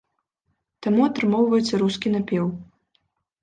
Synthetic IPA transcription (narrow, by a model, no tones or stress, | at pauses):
t̪amuɐt̪ɾɨmɔwvɐjɛt̪sʲːɐɾuskʲinapʲɛw